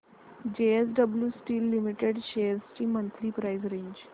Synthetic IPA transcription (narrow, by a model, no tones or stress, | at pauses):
d͡ʑeesɖəbljuːsʈiːlːimiʈeɖɕeɾst͡ɕiːmənt̪ʰɾiːpɾaizɾẽɲd͡ʑ